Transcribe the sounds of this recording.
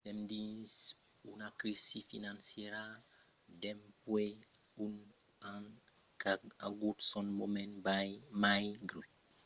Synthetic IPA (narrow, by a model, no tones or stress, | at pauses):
dɛmdis | unakɾisifinansiɛɾa | dɛmpwe | un | an | kaa̰ɡutsɔnmomɛnbamajɡɾu